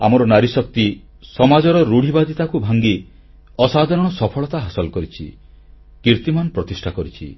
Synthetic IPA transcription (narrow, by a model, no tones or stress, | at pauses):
a̰mɔɾɔnaɾisɔk̚t̪i | sɔmad͡ʒɔɾɔɾuɽ̤ʱibad̪it̪akubʱaŋɡi | ɔsad̪ʱaɾɔɽ̃ɔsɔpʰɔɭɔt̪aɦasɔlɔkɔɾit͡ʃʰḭ | kiɾt̪imanpɾɔt̪isʈʰakɔɾit͡ʃʰḭ